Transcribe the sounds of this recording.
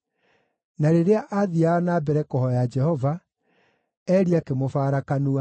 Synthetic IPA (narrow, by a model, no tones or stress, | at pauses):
naɾeɾeaʔaðiaːnaːbɛɾɛkɔhɔjad͡ʒɛhɔva | ɛːɾiakemofaːɾakanua